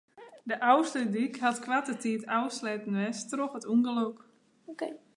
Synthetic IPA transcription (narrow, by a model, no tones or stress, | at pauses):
dəʔawslədikhatkwʋatətitawslɛtn̩wɛstroxətuŋɡəlok